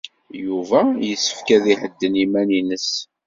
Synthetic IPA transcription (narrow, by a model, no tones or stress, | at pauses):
juvæjəsːə̥fkæðiħəd̪ːənimæninəs